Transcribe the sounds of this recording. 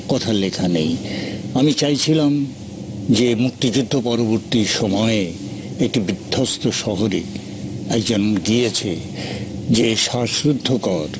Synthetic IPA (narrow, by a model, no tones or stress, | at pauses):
kɔt̪ʰalekʰanejamit͡ɕajt͡ɕʰilam | d͡ʑemuk̚t̪id͡ʑud̪ʱːopɔɾoboɾt̪iʃɔmɔe | ekʈibid̪̥ʱːost̪oʃɔɦoɾḛ | ɛkd͡ʑonɡijet͡ɕʰe | d͡ʑeʃaʃɾud̪ʱːokɔɾ